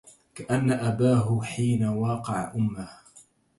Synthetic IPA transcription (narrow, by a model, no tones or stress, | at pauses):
kaʔanːaʔabaːɦʊħiːnawɑːqɑʕa̰ʔʊmːah